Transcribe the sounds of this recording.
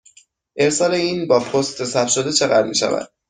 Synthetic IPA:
ʔe̞ɾsɒːle̞iːnbɒːpʰost̪ʰe̞sæbʃod̪e̞t͡ʃʰe̞ɣæ̰d̪miːʃæ̰væ̰d̪̥̚

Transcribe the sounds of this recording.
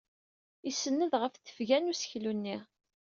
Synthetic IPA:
isənːəðʁəfθə̥fʝænusə̥çlunːi

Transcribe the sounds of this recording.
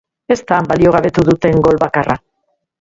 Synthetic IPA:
e̞st̪ambalio̞ɣ̞aβe̞t̪uðut̪e̞ŋɡo̞lβakara

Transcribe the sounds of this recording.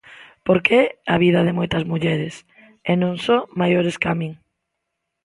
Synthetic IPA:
poɾkeaβiðɐðɪmojt̪ɐzmuʎɛɾɪs | enõŋsɔmajoɾeskamiŋ

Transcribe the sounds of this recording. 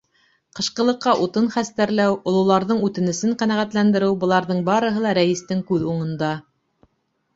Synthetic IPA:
qɤ̆ʃqɤ̆lˠɤ̆qːɑʔut̪ɤnχæst̪æɾlæwŏlˠŏlˠɑɾðɤɴʉt̪ɘ̆nɘ̆sɘɴqænæʁæt̪lænd̪ɘ̆ɾɘwbɤ̆lˠɑɾðɤɴbɑɾɤ̆ɦɤlˠɑɾæjĭst̪ɘŋkʉðuɴɤ̆nd̪ɑ

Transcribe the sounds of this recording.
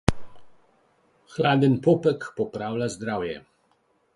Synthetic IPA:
xlad̪ɛnpɔpɛkpɔpɾawlazd̪ɾawjɛ̰

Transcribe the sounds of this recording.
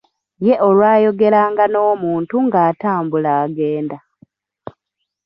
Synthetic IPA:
je̞ʔo̞lwaːjo̞ɡe̞ɾaːŋɡano̞ːmuːntuŋɡaːtaːmbulaːɡe̞ːnda

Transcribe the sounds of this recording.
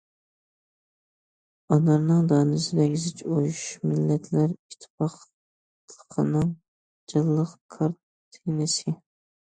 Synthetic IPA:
ɑnɑɾnɨŋd̪ɑːnɨsɪd̪ɛkʲzɪt͡ʃʰojʃmɪlːɛt̪ʰlæɾiʃt̪ʰːɪ̥pʰɑq | lˠəqʰənɨŋ | d͡ʒɑlˠːəqkʰɑɾt̪ʰːenɪsɪ

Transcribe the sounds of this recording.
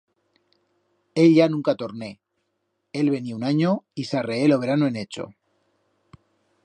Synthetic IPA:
e̞ʎʝanũŋkat̪o̞ɾne̞ | e̞lβe̞niaunaɲoisareelo̞β̞e̞ɾanoe̞ne̞t͡ʃo̞̰

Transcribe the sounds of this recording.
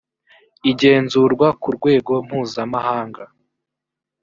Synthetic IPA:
iɟe̞ːnzuɾɡwakuɾɡwe̞ːɡo̞m̥huːzamahaːŋɡa

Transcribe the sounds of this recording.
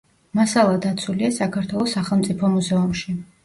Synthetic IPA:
masalˠad̪at̪sʰuliasakʰaɾt̪ʰwɛlˠɔsːaχɛlˠmt̪sʼipʰɔmuzɛumʃi

